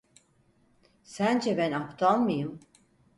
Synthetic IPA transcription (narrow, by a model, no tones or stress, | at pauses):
sænd͡ʒɛbɛnapt̪ʰalˠmɯjɯm